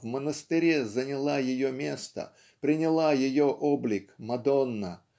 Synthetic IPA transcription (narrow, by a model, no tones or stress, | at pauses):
vmənəst̪ɪɾʲezənʲɪlˠajɪjomʲe̞st̪ə̰ | pɾʲɪnʲɪlˠajɪjoʔoblʲɪkmɐd̪onːə